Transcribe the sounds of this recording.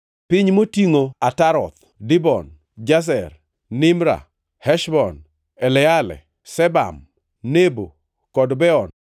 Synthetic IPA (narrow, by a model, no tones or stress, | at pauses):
pɪɲmotiŋoataɾɔt̪ | dɪbɔ̰n | d͡ʒas̬ɛr | nɪmɾa̰ | hɛʃbɔn | ɛlɛalɛ̰ | sɛba̰m | nebo | kɔdbɛɔn